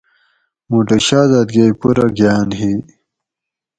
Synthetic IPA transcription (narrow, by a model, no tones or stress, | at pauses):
muʈeɕaːd̪ad̪ɡejpuɾaɡjaːnɦi